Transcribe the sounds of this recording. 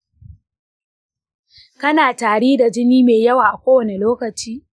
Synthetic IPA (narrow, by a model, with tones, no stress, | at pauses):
kɐ˦naː˨taː˨ɽiː˦da˨d͡ʒɪ˦niː˦meː˨jɐ˦waː˨ʔa˨kʷoː˦wɐ˦ne˨loː˦kɐ˨t͡ʃiː˦